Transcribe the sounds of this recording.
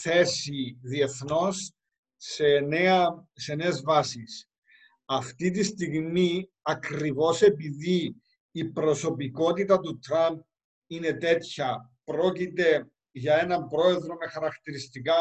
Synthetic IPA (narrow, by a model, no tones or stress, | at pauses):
θe̞siðie̞θno̞sː | e̞neɐse̞ne̞ːzvɐsis | ɐft̪it̪ist̪iɣmiɐkɾivo̞se̞piðiː | pɾo̞so̞piko̞t̪it̪ɐt̪ut̪ɾɐmp̚ | ine̞t̪e̞t̪çɐpɾo̞cit̪e̞ | ʝɐe̞nɐmbɾo̞e̞ðɾo̞me̞xɐɾɐkt̪iɾist̪ikɐ